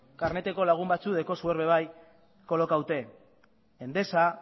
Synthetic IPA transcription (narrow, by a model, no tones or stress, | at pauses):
kaɾne̞t̪e̞ko̞laɣ̞umbat͡suðe̞ko̞sueɾβe̞βaj | ko̞lo̞kawt̪e̞ː | nd̪e̞sa